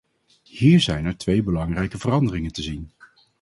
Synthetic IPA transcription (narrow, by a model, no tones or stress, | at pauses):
hiːɹzɛjnɛɹtʋejbəlɑŋrɛjkəvərɑndərɪŋəntəzin